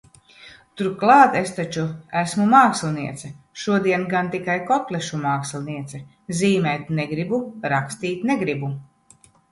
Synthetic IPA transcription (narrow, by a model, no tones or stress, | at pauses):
t̪uɾklˠɑːt̪est̪at͡ʃuæsmumaːkslˠʲniɛt̪sɛʃuɔd̪iɛnɡant̪ikajkɔp̪lʲˠɛʃumaːkslʲˠniɛt̪sɛ | ziːmɛjt̪nɛɡɾibuɾakst̪iːt̪ʲneɡɾibu